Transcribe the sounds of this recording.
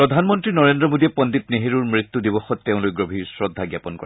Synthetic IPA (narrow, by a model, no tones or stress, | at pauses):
ɹɔd̪ʱanmɔntɹinɔɹendɹɔmodiɛpɔnd̪it̪neɦeɹuɹmɹit̪ːudibɔxɔt̪ːeʊ̃lojɡɹobʱisɹɔd̪ʱːaɡjapɔnkɔ̰ɹ